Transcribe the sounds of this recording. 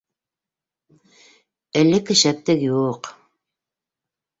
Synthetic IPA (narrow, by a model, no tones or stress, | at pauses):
ɘ̆lːɘkɘ̆ʃæp̚t̪ɘkjuq